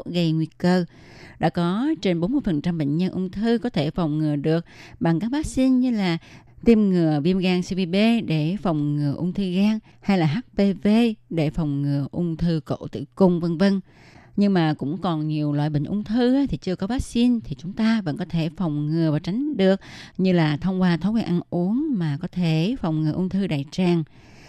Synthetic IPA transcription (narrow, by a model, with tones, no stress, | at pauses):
ɣə˨˩jŋwi˧˩əkəː˧˩ | ɗa̰ː˧˥kɔ˨˦t͡ɕe˧nɓo˨˦nmɨ˧jfə˨˩nt͡ɕa˧mɓḛ˧˨ŋ̟ɲə˧nʔʊ˧ŋ͡mt̪ʰɨ˧kɔ˨˦t̪ʰe˧˩fa˨˩wŋ͡mŋɨ˨˩əɗɨ˨˩ək̚ɓa˨˩ŋkaː˦˥k̚vaː˦˥k̚si˧nɲɨ˧laː˨˩ | t̪i˧mŋɨ˨˩əvi˧əmɣaː˧ŋsi˧ɓi˧ɓe˧ɗe˧˩fa˨˩wŋ͡mŋɨ˨˩əʔʊ˧wŋ͡mt̪ʰɨ˧ɣaː˧ŋ | ha˧jlaː˨˩ɦaː˦˥k̚pe˧ve˧ɗe˧˩fa˨˩wŋ͡mŋɨ˨˩əʔʊ˧ŋ͡mt̪ʰɨ˧ko̰˧˨t̪ɨ̰˧˨kʊ˧˩ŋ͡mvə˧ŋvə˧n | ɲɨ˧ŋmaː˨˩kʊ̰˧˥ŋ͡mkɔ˨˩nɲi˨˩əwlwa̰ː˧˨jɓḭ˧˨ŋ̟ʔʊ̰˧ŋ͡mt̪ʰɨ˧ʔaː˨˦t̪ʰi˨˩t͡ɕɨ˧əkɔ˨˦vaː˦˥k̚si˧nt̪ʰi˨˩t͡ɕʊ˨˦ŋ͡mt̪aː˧və̰˧˥nkɔ˨˦t̪ʰe˧˩fa˨˩wŋ͡mŋɨ˨˩əvaː˨˩wt͡ɕa˨˦jŋ̟ɗɨ˨˩ək̚ɲɨ˧laː˨˩t̪ʰə˧wŋ͡mkwaː˧t̪ʰo˨˦wkwiː˧nʔa˧nʔu˨˦əŋmaː˨˩kɔ˨˦t̪ʰe˧˩fa˨˩wŋ͡mŋɨ˨˩əʔʊ˧ŋ͡mt̪ʰɨ˧ɗaː˨˩jt͡ɕaː˨˩ŋ